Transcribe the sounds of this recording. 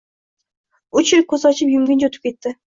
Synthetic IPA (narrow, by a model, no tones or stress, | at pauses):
ʊt͡ʃɪɾkʰːɵzɒt͡ʃʰɪpjʊmɡʲɪnt͡ʃɵt̪ʰɪ̥p̚kʲʰet̪ːɪ